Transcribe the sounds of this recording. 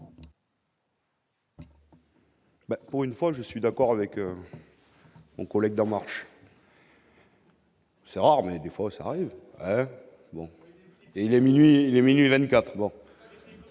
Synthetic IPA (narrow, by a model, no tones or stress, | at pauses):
bapuʁynfwaʒəsɥid̪akɔʁavɛkø | mɔ̃kɔlɛɡ̚d̪ɑ̃maʁʃ | sɛʁaʁmɛd̪efwasaːʁiv | ɛ | bɔ̃ | eilɛminɥiːlɛminɥivɛ̃t̪kat̪χbɔ̃